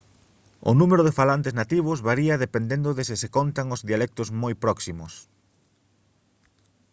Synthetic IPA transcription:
ʊ̰numeɾʊðɪfalant̪eznat̪iβ̞ʊzβaɾiɐðepend̪end̪ʊðɪsɪsekont̪aŋʊzðialɛk̚t̪ʊzmojpɾɔksimʊs

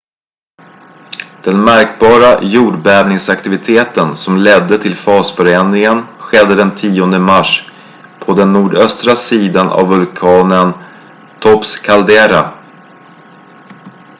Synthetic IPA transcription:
d̪̥ɛnmæɾkbɑːɾajuːɖbæːvnɪŋsakt̪ɪvɪt̪ʰeːt̪ənsɔmlɛd̪ːət̪ʰɪlfɑːsfœɾeːnɪŋənɧɛd̪ːəd̪ɛnt̪ʰiːɔnd̪əmaʂ | pʰɔd̪ɛnːuːɖœst̪ɾasiːd̪anʔa̰vːɵlkʰɑːnən | t̪ʰɔpskʰald̪eːɾa̰

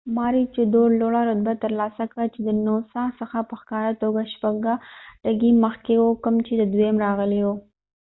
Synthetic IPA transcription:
mɑɾit͡ʃed̪oɾloɽaɾʊd̪̚bat̪əɾlɑsakɽat͡ʃed̪ənosɑsəxapəxkɑɾat̪oɡaʃpaɡaʈaɡiməxkewokəmt͡ʃed̪əd̪wemɾɑɣəlewo

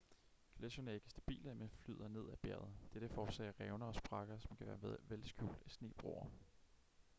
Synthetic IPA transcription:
kʰlesonæɐe̝ɡ̥əsd̥æb̥ḭːləmenfly̰ðˠɐne̝ð̰ˠæb̥æɐðˠd̥eɾ̥əfɒːsɛ̰ːɐʁɛʊnɐɒ̽sb̥ʁɑ̈ɡ̥ɐsɒ̽mkʰæʋæːɐʋelsɡ̥jṵːld̥æsne̝̰ːb̥ʁo̰ːɐ

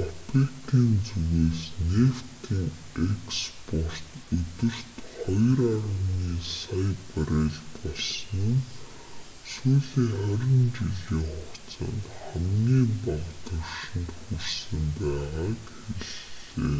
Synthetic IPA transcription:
ɔpekt̪iːnt͡suɣeːsnewt̪ʰiːŋ | ekspʰɔr̥t̪ɵt̪ɵ̆r̥t̪χɔjraɾə̆niːsajpaɾeːɮpɔɮsɞ̆n̆n | suːɮiːŋχæɾʲɪ̆nt͡ɕiɮiːŋχɔkt͡sa̰nt̪χæmɡiːmpaʁt̪ə̆rʃɪ̆nt̪xursɘ̆mpæːʁaːkxeɮḛː

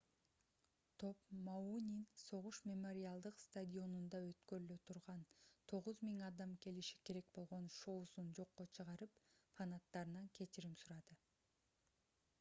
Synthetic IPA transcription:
t̪ʰo̞pmaunʲinso̞ʁuʃmʲemoɾʲɪalˠd̪ɯqst̪ad̪ʲio̞nund̪ɑø̞t̪kø̞ɾyløt̪ʰuɾʁɑnt̪ʰo̞ʁuzmʲiŋɑd̪ɑmke̞liʃi̥ke̞ɾe̞k̚bo̞lˠʁo̞nʃoːsund͡ʒo̞qːo̞t͡ʃʰɯʁɑɾɯpfanat̪ːɑɾɯnɑŋkʰe̞t͡ʃiɾimsuɾɑd̪ɯ

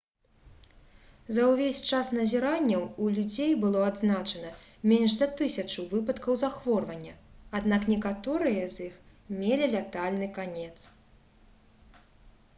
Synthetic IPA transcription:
zɐwvʲesʲt͡ʂasnɐzʲɛɾanʲːɐwulʲud͡zʲejbɨlˠɔad̪znat͡ʂɐnɐmʲenʲʂzɐt̪ɨsʲɐt͡ʂɐwvɨpɐt̪kɐwzaxvɔrvɐnʲːɐad̪naknʲɛkat̪ɔɾɨjɐzʲix | mʲelʲilʲat̪alʲnɨkanʲɛt̪s

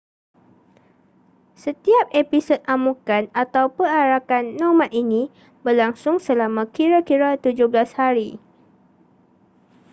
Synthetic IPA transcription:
sət̪iap̚episot̪̚ʔamũkanat̪awpəaɾakanːɔmãt̪inĩ | bərlaŋsʊŋsəlamãkiɾakiɾat̪ud͡ʒʊhblashaɾi

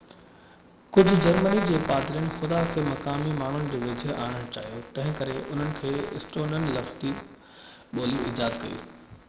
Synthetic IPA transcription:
kʊd͡ʑʱʊ̆d͡ʑɐɾmənid͡ʑeːpaːd̪ɾijəñɪ̆xʊd̪akʰeːmɐkaːmimaːɳ̤ʊnɪ̆d͡ʑeːʋed͡ʑʱəa̰ːɽ̃əɽ̃t͡ɕa̰ːɦijot̪ɐ̃ɦɪ̃kɐɾeʔʊn̤ənɪ̆kʰeːɪ̰sʈoːnənɪ̆lɐft̪i | ɓoːliɪd͡ʑaːd̪kɐijṵː

